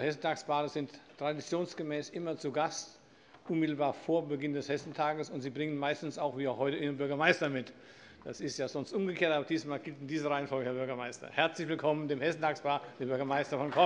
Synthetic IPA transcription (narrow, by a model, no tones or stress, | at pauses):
hɛsn̩tʰaːkspaːʁəzɪntʰːʁ̥adit͡sjoːnsɡ̥əmɛːsʔɪmɐt͡suɡast | ʔʊnmɪtl̩baːɐfoːɐbəɡɪndɛshɛsn̩tʰaːɡəsʊntz̥iːbʁɪŋənmaɪstn̩saʊxv̥iːaʊxhɔʏtəiːʁənbʏɐɡɐmaɪstɐmɪt | d̥asɪstjaːzɔnstʔʊmɡəkʰeːɐtaːbɐd̥iːsmaːlɡɪltɪndiːzəʁaɪənfɔlɡəhɛɐbʏɐɡɐmaɪstɐ̰hɛɐt͡slɪçvɪlkʰɔməndeːmhɛsn̩tʰaːkspaːd̥eːɐbʏɐɡɐmaɪstɐfɔnkʰɔ